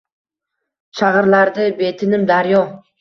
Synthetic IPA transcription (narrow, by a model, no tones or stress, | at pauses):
ʃʰaʁɨɾlaɾd̪ɪbe̞t̪ʰɪnɪmd̪aɾjɒ